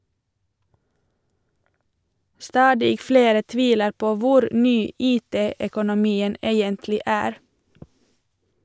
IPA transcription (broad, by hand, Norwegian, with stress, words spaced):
ˈstɑːdɪ ˈfleːɾə ˈtʋiːləɾ ˈpoː ˈʋʊɾ ˈnyː ˈiːˌteː œkʊnʊˈmiːən ˈeːjəntlɪ ˈæːɾ